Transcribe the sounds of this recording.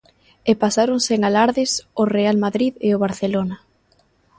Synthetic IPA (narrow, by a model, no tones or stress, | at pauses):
epasaɾoŋseŋalaɾðɪsorealmaðɾiðeoβaɾθelona